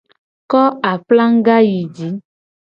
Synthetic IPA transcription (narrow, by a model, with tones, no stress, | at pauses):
kɔ˦a˨pla˦ŋ̩˦ɡa˦ji˨d͡ʒi˨˦